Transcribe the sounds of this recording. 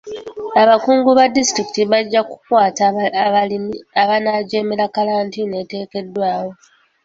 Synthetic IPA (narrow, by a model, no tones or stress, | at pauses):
aβakuːŋɡuβadistɾiki̥tiβaɟːaku̥kwaːtaliniaβanaɟe̞ːmeɾakalaːntine̞ːte̞ːke̞dːwaːwo̞